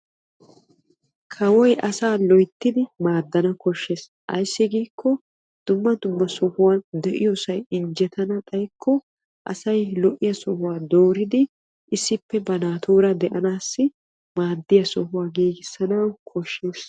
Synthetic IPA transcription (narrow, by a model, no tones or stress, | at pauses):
kʰɐwɔjʔɐsaːlɔjt̪ːɪd̪ɪmaːd̪ːɐnɐkɔʃːeːs | ʔɐ̰jsːɪɡiːkʰːɔ | d̪̥ʊmːɐd̪ʊmːɐsɔhʊwand̪ɛʔɪ̰jɔsɐjɪnd͡ʒɛt̪ʰɐnɐt̪ʼɐjkʰːɔ | ʔɐ̰sɐjlɔʔɪjɐsɔhʊwaːd̪oːɾɪd̪ɪ | ʔɪsːɪpːɛbɐnaːt̪ʰuːɾɐd̪ɛʔɐnaːsːɪ | maːd̪ːɪjɐsɔhʊwaːɡiːɡɪsːɐnɐwkʰɔʃːeːs